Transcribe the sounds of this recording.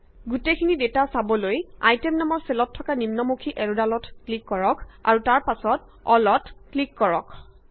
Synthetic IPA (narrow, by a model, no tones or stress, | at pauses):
ɡutekʰinidetasabɔlojajtɛmnɔmɔɹselɔtʰːɔkanimnɔmukʰiʔɛɹudalɔtklikːɔɹɔkʰa̰ɹutaɹpasɔt | ɔlɔtklikːɔɹɔkʰ